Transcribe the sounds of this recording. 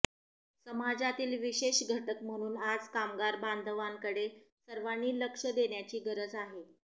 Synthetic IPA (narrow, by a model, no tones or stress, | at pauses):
səmad͡zat̪iːlʋiɕeɕɡʱəʈəkm̤əɽ̃uːnad͡zkamɡaɾband̪ʱəʋaŋkəɽe | səɾʋanːiːləkʂəd̪eɳjat͡ɕiːɡəɾəd͡zaɦe